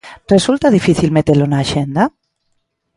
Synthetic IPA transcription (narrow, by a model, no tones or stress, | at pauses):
result̪aðifiθilmet̪elonaːʃend̪a